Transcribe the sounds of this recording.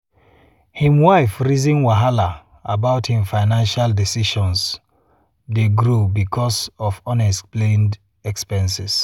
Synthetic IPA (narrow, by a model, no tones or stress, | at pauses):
hĩmwaɪfɹizĩnwaɦala | abaʊthĩmfaɪnãnʃaldisiʃɔ̃ns | deɡɹubikʰɔsɔvɔ̃nɛskplẽnd | ɛkspɛ̃nsis